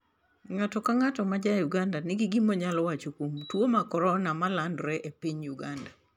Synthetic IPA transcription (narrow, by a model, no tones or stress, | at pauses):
ŋatɔkaŋatɔmad͡ʒajuɡandanɪɡɪɡimɔɲalɔwat͡ʃokomtwomakɔɾɔnamalandɾɛʔepiɲjuɡanda